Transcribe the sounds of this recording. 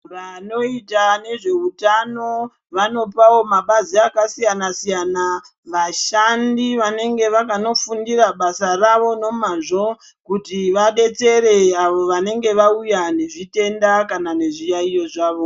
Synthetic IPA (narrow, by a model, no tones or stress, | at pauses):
ʋano̞itane̞ʐe̞utano̞ | ʋano̞pawo̞maɓaziakasijanasijana | ʋaʃandiʋane̞ŋɡe̞ʋakano̞fundiraɓasaraʋo̞no̞maʐo̞ | kutiʋaɗe̞t͡se̞ɾe̞aʋo̞ʋane̞ŋɡe̞ʋaujane̞ʐite̞ndakanane̞ʐijaijo̞ʐaːʋo̞